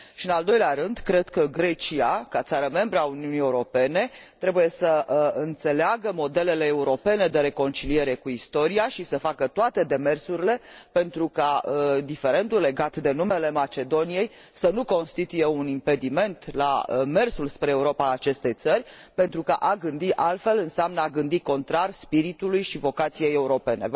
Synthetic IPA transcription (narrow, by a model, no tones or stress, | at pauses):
ʃiɨnald̪o̞jleaɾɨnd̪kɾe̞d̪kəɡɾe̞t͡ʃiakat̪saɾəme̞mbɾəauniunie̞uɾo̞pe̞ne̞t̪ɾe̞buje̞səɨnt̪se̞leaɡəmo̞d̪e̞le̞le̞ːuɾo̞pe̞ne̞d̪e̞ɾe̞ko̞nt͡ʃilie̞ɾe̞kuist̪o̞ɾiaʃisəfakət̪oat̪e̞d̪e̞me̞rsuɾile̞pe̞nt̪ɾukad̪ife̞ɾe̞nd̪ulːe̞ɡat̪d̪e̞nume̞le̞mat͡ʃe̞d̪o̞nije̞j | sənuko̞nst̪it̪uje̞unimpe̞d̪ime̞nt̪la̰me̞rsulspɾeːuɾo̞paat͡ʃe̞st̪e̞jt̪sərʲ | pe̞nt̪ɾukəʔaɡɨnd̪iʔalt̪fe̞lɨnseamnəaɡɨnd̪iko̞nt̪ɾarʲspiɾit̪ulujʃivo̞kat̪sije̞je̞uɾo̞pe̞ne̞̰